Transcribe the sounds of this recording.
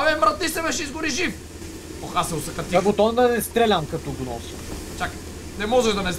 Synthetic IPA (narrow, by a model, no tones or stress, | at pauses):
vɛmɾɐt̪iʃsɛmɛʃizɡʊɾiʒif | oxasɛʊsɐkɐt̪iɐɡot̪ɔnd̪ɐnɛst̪ɾɛlʲamkɐt̪ɔɡnɔsi | t͡ʃak | nɛmɔʒɛʒd̪ɐnɛ